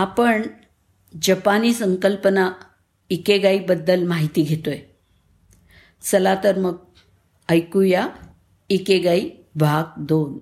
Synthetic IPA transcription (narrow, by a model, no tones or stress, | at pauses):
apəɳ | d͡ʑəpaniːsəŋkəlpəna | ikeɡaibəd̪ːəlmaɦit̪iːɡʱet̪oj | t͡səlat̪əɾməɡ̚ | əjkuja | ikeɡai | bʱaɡ̚d̪on